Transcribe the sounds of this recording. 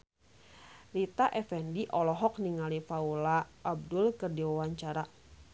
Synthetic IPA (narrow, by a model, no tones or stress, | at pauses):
rit̪aʔɛfɛndiʔɔlɔɦɔk̚niŋalifaulaʔːb̚dʊlkɨrdiwawaɲt͡ʃaɾa